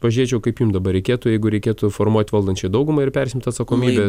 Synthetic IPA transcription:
ʋɐʒʲɾʲiːt͡ʃʲɛʊkɐɪpjumd̪ɐbɐɾʲɛɪkʲeːt̪ʊjɛɪɡʊɾʲɛɪkʲeːt̪ʊfoːrmuɔt̪ʲʋɐlˠd̪ɐnʲt͡ʃʲɛɪd̪ɐʊɡʊmɐɪɾpʲɛrsʲɪmʲt̪ʲɐt̪sɐkoːmʲiːbʲɛ

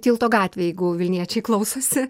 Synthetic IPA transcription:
t̪ʲiːlˠt̪oːɡɑːt̪ʲʋʲeːjɛɪɡʊʋʲɪlʲnʲiɛt͡ʃʲɛɪklˠɐʊsoːsʲɪ

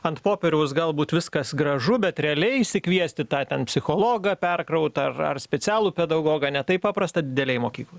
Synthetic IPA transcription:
ɐnt̪poːpʲɛɾʲɛʊsɡɐlˠbuːt̪ʋʲɪskɐsɡɾɐʒʊbʲɛt̪ɾʲɛɐlʲɛɪɪʃsʲɪkʋʲiɛsʲt̪ʲɪt̪ɑːt̪ʲɛnpʲsʲɪxoːlˠoːɡɐpʲɛrkɾɐʊt̪ɐɐrɐ̰rsʲpʲɛt͡s̪ʲæːlˠuːpʲɛd̪ɐɡoːɡɐːnʲɛt̪ɐɪpɑːpɾɐst̪ɐd̪ʲɪd̪ʲɛlʲɛɪmoːkʲiːklˠɐ

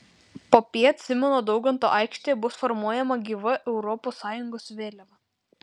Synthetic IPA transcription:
poːpʲiːɐt̪ʲsʲɪmʲɛnoːd̪ɒʊɡɐnt̪o̰ːʔɑˑɪkʃʲt̪ʲejɛbʊsfɔɾmuɔjɛmɐɡʲiːʋɐʔɛʊɾɔposːɑːjʊŋɡoːsʋʲeːlʲɛʋɐ

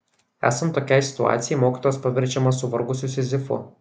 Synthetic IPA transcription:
æ̰ːsɐnt̪ːoːkʲɛɪsʲɪ̥t̪ʊɑ̰ːt̪sʲɪjɛɪmoːkʲiːt̪oːjospɐʋʲɛɾʲd͡ʒʲɛmɐsʊʋɐɾɡʊsʲʊsʲɪzʲɪfʊ̰

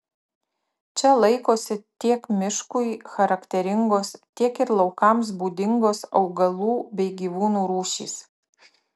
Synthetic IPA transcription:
t͡ʃʲɛlˠɐɪkoːsʲɪt̪ʲiɛkmʲɪʃkʊɪxɐɾɐkt̪ʲɛɾʲɪŋɡoːst̪ʲiɛkɪɾlˠɐʊkɐˑms̬buːd̪ʲɪŋɡoːsɒʊɡɐlˠuːbʲɛɪɡʲiːʋuːnuːɾuːʃʲḭːs

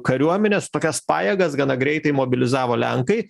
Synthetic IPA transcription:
kɐɾʲuɔmʲɛnʲɛst̪oːkʲɛspɑ̰ːjɛɡɐsɡɐnɐɡɾʲɛɪt̪ɐɪmoːbʲɪlʲɪzɑːʋoːlʲɛ̰ŋkɐɪ

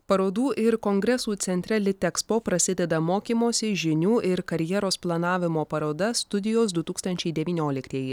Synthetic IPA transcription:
pɐɾoːd̪uːʔɪɾkoŋɡɾʲɛsuːt̪sʲɛnʲt̪ʲɾʲæːlʲɪt̪ʲɛkspoːpɾɐsʲɪd̪ʲɛd̪ɐmoːkʲiːmoːsʲɪʒʲɪnʲuːʔɪɾkɐɾʲjɛɾoːsplˠɐnɑːʋʲɪmoːpɐɾoːd̪ɐst̪ʊd̪ʲɪjoːsd̪ʊt̪uːkst̪ɐnʲt͡ʃʲɛɪd̪ʲɛʋʲiːnʲoːlʲɪkt̪ʲiːjɪ

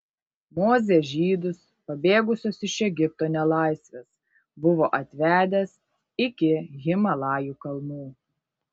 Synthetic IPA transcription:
moːzʲeʒʲiːd̪ʊs | pɐbʲeːɡʊsʲoːsɪʃɛɡʲɪp̚t̪oːnʲɛlˠɑˑɪsʲʋʲeːs | bʊʋoːʔɐt̪ʲʋʲæːd̪ʲes | ɪkʲɪɣʲɪmɐlˠɑːjuːkɐlˠmuː

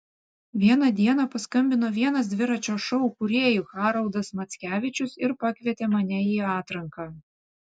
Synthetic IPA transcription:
ʋʲiɛnɐd̪ʲiɛnɐpɐskɐmʲbʲɪnoːʋʲiɛnɐs̬d̪ʲʋʲɪɾɐt͡ʃʲoːʃɔʊkʊɾʲeːjuxɑːɾɐlˠd̪ɐsmɐt̪sʲkʲæːʋʲɪt͡ʃʲʊsɪɾpɐkʲʋʲiɛt̪ʲeːmɐnʲɛiːɑːt̪ɾɐŋkɑː

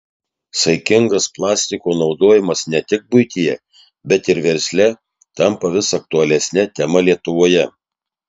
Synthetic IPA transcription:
sɐɪkʲɪŋɡɐsplˠɑːsʲt̪ʲɪkoːnɒʊd̪oːjɪmɐsnʲɛt̪ʲɪk̚bʊɪt̪ʲijɛ | bʲɛt̪ɪɾʋʲɛɾʲsʲlʲɛ | t̪ɐmpɐʋʲɪsːk̚t̪ʊɐlʲɛsʲnʲɛt̪ʲɛmɐlʲiɛt̪ʊʋoːjɛ

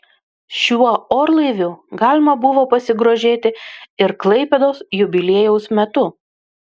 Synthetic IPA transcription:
ʃʲuɔoːɾlˠɐɪʋʲʊɡɑːlʲɪmɐbʊʋoːpɐsʲɪɡɾoːʒʲeːt̪ʲɪɪɾklˠɐɪpʲɛd̪oːsjʊbʲɪlʲeɛjɛʊsmʲɛt̪ʊ

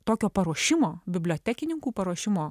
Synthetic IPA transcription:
t̪oːkʲoːpɐɾuɔʃʲɪmoːbʲɪbʲlʲoːt̪ʲækʲɪnʲɪŋkuːpɐɾuɔʃʲɪmoː

